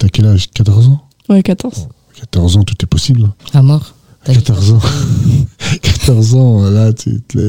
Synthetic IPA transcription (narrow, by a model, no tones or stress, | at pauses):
t̪yakʲɛlaʒkat̪ɔʁzɑ̃ | wɛkat̪ɔʁz | kḁt̪ɔʁzɑ̃t̪ut̪ɛpɔsiblamɔʁ | akat̪ɔʁzɑ̃ | kʰḁt̪ɔʁzɑ̃lat̪ʰy̰t̪ɛ